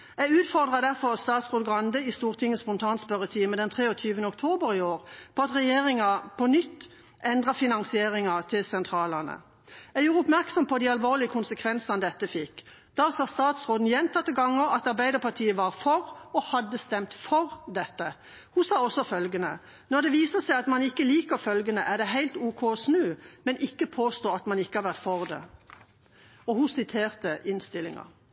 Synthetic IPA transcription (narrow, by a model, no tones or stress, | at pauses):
æʉːt̪fɔʁd̪ʁɑd̪æʁfɔʁst̪ɑːt̪sʁoːd̪ɡʁɑnd̪əɪst̪uːʁt̪ʰɪŋːəspɔnt̪ʰɑːnspœɾət̪ʰiːməd̪ɛnt̪ʰʁeːɔt̪ʰyːʋənəɔkt̪ʰoːbəɾɪoːʁpʰɔɑt̪ʁɛjeːʁɪŋɑpʰɔnʏt̪ː | ʔɛnd̪ʁɑfɪnɑŋsɪeːʁɪŋɑt̪ʰɪlsɛnt̪ʰʁɑːlɑnə̰ | æjuːʁəʊpmæʁksɔmpʰɔd̪iːɑlʋoːʁlɪəkʰʊnsəkʰʋɛnsɑnd̪ɛt̪ːəfɪkː | d̪̥ɑsɑːst̪ɑːt̪sʁoːd̪n̩jɛnt̪ʰɑt̪ːəɡɑŋːəʁɑt̪ɑʁbæɪd̪əʁpʰɑʁt̪ʰiːəʋɑʁfɔʁɔhɑd̪ːəst̪ɛmt̪fɔʁd̪ɛt̪ːə | husɑːɔsːɔfœlɡənə | nɔʁd̪ɛʋiːsəʁsæɪɑt̪mɑnɪkːəliːkəɾfœlɡənəʔæʁd̪ɛɦæɪlt̪uːkʰoːsnʉːmɛnʔɪkːəpʰoːst̪oːɑt̪mɑnɪkːəhɑɾʁʋæʁt̪fɔʁd̪ɛ̰ | ɔhʊsɪt̪ʰeːʁt̪əʔɪnst̪ɪlɪ̰ŋɑ̰